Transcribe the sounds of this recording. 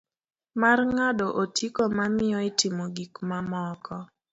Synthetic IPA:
marŋadɔʔotikomamɪjɔɪtɪmoɡikmamɔkʰɔ

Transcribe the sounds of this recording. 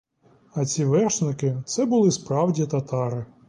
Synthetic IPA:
ɐt͡sʲiʋɛrʃnɪkɪt̪sɛbʊlˠɪspɾɑwdʲit̪ɐt̪ɑɾɪ

